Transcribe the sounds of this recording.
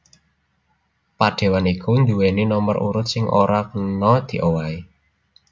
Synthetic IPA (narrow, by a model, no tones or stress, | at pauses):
paɖ̥e̤wanikʰund̪uweninɔməɾʔṵɾʊt̪̚sɪŋʔoɾakənɔd̪̥i̤ʔowai